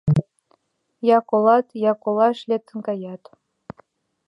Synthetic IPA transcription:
jɑkolˠɑt̪jɑkolˠɑʃlʲet̪ːənkɑjɑt̪

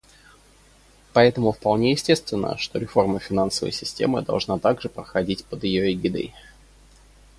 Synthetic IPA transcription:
pɐɛt̪əmʊfpɐlˠnʲejɪsʲtʲe̞st̪vʲɪnːə̰ʂt̪o̞ɾʲɪfo̞rməfʲɪnansəvə̰jsʲɪsʲtʲḛmɨd̪ɐ̰lˠʐnat̪aɡʐɨpɾəxɐdʲitʲpəd̪ɪjoɪɡʲɪd̪ɨ̰j

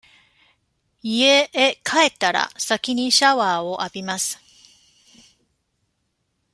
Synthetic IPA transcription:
ieekʰae̞t̪aɾa̰sakʲiɲ̟iɕaβaːo̞ʔabʲimasɨ̥

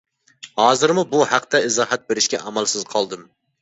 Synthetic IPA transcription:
hɑːzɨɾmubuhæqt̪ɛɨzɑːɦæt̪̚beɾɪʃkʲɛ̰ʔɑmælˠsɪzqʰɑlˠd̪ɨm

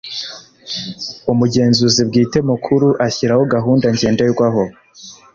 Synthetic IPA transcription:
umuɟe̞ːnzuzib̚ɡiːte̞mukʰuɾuʔaçiɾahoɡaɦuːndaɲɟe̞ːndajuɡwaɦo

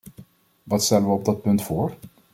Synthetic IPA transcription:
vat̪sɛlvɔp̚d̪ɔt̪̚pʰɵŋt̪foːɾ

